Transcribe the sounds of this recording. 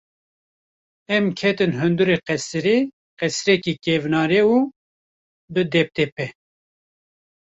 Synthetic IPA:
ɛmkʰɛt̪ɨnɦɨnd̪uɾeqɛsɨɾe | qɛsɾɛkikevnɑːɾeu | bɨd̪ɛp̚t̪ɛpɛ

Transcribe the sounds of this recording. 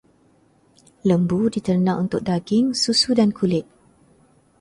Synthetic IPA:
ləmbudit̪ərnãʔunt̪ʊk̚daɡɪŋsusudankʰulɪt̪̚

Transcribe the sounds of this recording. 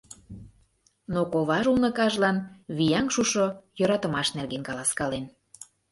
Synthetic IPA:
nokoβɑʒulnɤ̆kɑʒlɑnβijɑŋʃuʃojøɾɑt̪əmɑʃnerɣenkɑlɑskɑlen

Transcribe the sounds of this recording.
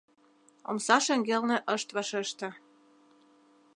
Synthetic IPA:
o̰msɑʃĕŋɡelnĕʔəʃt̪vɑʃeʃt̪ɤ̆

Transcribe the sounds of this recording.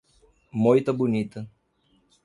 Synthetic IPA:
mɔjt̪əbunʲit̪ə

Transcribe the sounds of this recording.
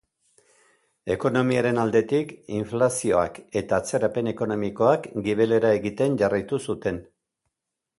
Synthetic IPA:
e̞ko̞no̞miaɾe̞nald̪e̞t̪ikiɱflasio̞a̰ke̞t̪aːt͡se̞ɾape̞ne̞ko̞no̞miko̞akɡiβe̞le̞ɾae̞ɣit̪e̞nʝarajt̪usut̪e̞n

